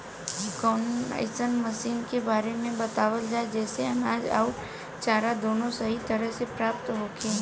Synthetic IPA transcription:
kɔːna̰ɪsənməsiːnkebaːɾemẽbɐt̪aːʋəld͡ʒaːed͡ʒɛːseɐnaːd͡ʒa̰ːu | t͡ʃaːɾad̪oːnõsɐɦit̪əɾəɦsepɾaːp̚t̪ɦoːkeː

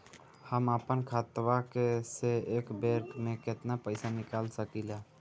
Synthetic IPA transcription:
həməpənkʰat̪wakeseːkbeɾkmeket̪napəɪsanikalsəkila

